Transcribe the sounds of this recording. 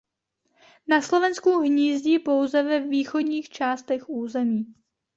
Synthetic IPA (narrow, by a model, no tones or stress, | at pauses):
naslo̞vɛnskuɦɲiːzɟiːpo̞wzɛvɛviːxo̞dɲiːxt͡ʃaːst̪ɛxuːzɛmiː